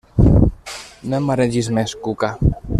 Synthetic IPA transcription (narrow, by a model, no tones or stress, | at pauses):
nomaɾed͡ʒizmeskuka